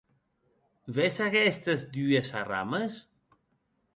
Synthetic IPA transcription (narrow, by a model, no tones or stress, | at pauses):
vɛsaɣɛst̪əzd̪yasara̰məs